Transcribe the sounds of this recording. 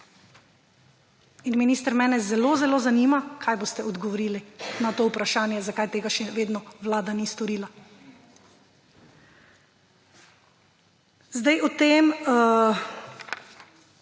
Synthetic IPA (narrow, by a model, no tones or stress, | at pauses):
inminiːst̪əɾmɛːnɛzɛloːzɛloːzaniːmakʰajbost̪ɛɔd̪ɡɔʋɔɾiːlinat̪oːupɾaʃaːnjɛzakajt̪eːɡaʃɛʋeːd̪nɔʋlaːd̪anist̪ɔɾiːla | zd̪ajʔɔt̪em